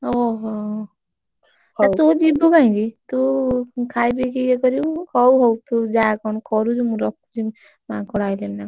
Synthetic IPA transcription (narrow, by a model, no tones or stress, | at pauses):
ɔɦ | at̪ud͡ʒibukaĩɡit̪ukʰajbikiekɔɾikɔwɦɔwt̪ud͡ʒakɔnkɔɾud͡ʒumuɾɔkːud͡ʒi | makɔɽajlelna